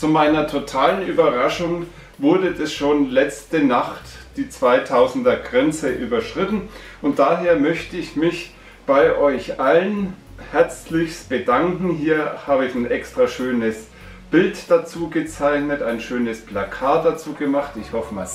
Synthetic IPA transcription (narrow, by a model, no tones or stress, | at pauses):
t͡sumaɪnɐtʰotʰaːlənʔyːbɐʁaʃʊŋ | vʊɐdədasʃoːnlɛt͡stənaχtd̥iːt͡sv̥aɪtʰaʊzn̩dɐɡʁɛnt͡səʔyːbɐʃʁ̥ɪtn̩ʔʊnt̚d̥aːɦeːɐmœçtəɪçmɪç | b̥aɪʔɔʏçʔalən | hɛɐt͡slɪçsb̥ədaŋkŋ̩ɦiːɐhaːbəɪçaɪnʔɛkstʁ̥aʃøːnəs | b̥ɪltd̥at͡suːɡət͡saɪçnətaɪnʃøːnəspʰlakʰaːt̚d̥at͡suːɡəmaχtɪçhɔfəmas